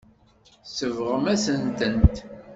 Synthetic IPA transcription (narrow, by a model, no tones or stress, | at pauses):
səvʁəmæsənt̪ənt̪